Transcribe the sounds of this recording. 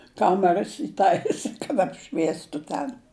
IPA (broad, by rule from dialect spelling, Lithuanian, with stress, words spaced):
ˈkɑːmʲɛrɐs iːˈtɐɪsʲɪ kɐt ɐpʲˈʃʲʋʲiɛstʊ ˈtʲɛn